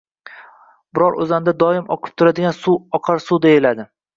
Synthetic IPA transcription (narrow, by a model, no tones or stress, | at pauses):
bɪɾɒɾʔɵ̰zand̪ad̪ɒɪmɒ̰qʰɨ̥p̚t̪ʰʊɾad̪ɪɡʲansuɒqʰɑɾsud̪ejɪlad̪ɪ